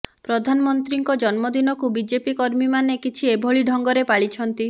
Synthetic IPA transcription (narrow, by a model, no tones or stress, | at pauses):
pɾɔd̪ʱanɔmɔnt̪ɾiŋkɔd͡ʒɔnmɔd̪inɔkubid͡ʒepikɔɾmimanekit͡ʃʰiebʱɔɭiɖʱɔŋɡɔɾepaɭit͡ʃʰɔnt̪i